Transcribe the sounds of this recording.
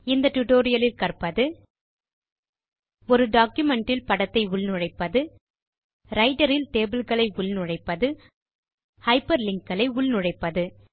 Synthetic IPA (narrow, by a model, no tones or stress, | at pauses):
ɪnd̪ɐʈʊʈoːɾɪjɐlɪlkɐrpɐðɯ | ɔɾɯɖaːkjʊmɛɳʈɪlpɐɽɐt̪ːɐɪʊɭnʊɻɐɪpːɐðɯ | ɾɐɪɖɐɾɪlt̪eːbɪlɣɐɭɐɪʊɭnʊɻɐɪpːɐðɯ | hɐɪpɐɾlɪŋkːɐɭɐɪʊɭnʊɻɐɪpːɐðɯ